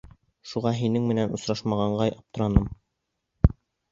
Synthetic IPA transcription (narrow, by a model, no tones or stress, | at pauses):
ʃuʁɑɦinɘŋmɘ̆nænŏsɾɑʃmɑʁɑɴɢɑjɑp̚t̪ŏɾɑnɤm